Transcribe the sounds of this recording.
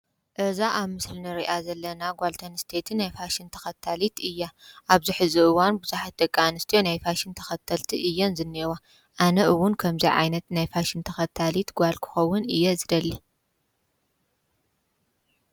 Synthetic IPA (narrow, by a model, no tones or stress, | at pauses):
ʔɨzaʔaβmɨslɨnɨɾiʔazɐlːɐnaɡʷalt̪ʰɐnst̪ʰe̞t̪ʰɨnːajfaʃint̪ʰɐ̥xɐt̪ʰːalit̪ɨjːaʔaβziħɨziɨwanbɨzuħat̪̚d̪ʼɐkʼːanɨst̪ʰijonajfaʃint̪ʰɐxɐt̪ʰːɐlt̪ʰiʔɨjːonzɨnewa | ʔanɐʔɨwːʊnkʰɐmziʕa̰jnɐt̪najfaʃint̪ʰɐxɐt̪ʰːalit̪ɡʷalkʰɨ̥xɐwːʊnɨjːɛzɨd̪ɐlːi